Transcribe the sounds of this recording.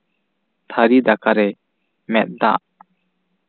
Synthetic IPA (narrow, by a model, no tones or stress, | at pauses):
t̪ʰaɾid̪akaɾɛ | mɛt̪̚d̪a̰ʔ